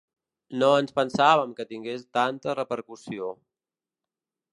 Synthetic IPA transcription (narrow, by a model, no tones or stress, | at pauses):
noənspənsaβəmkət̪iŋɡest̪ant̪ərəpəɾkusio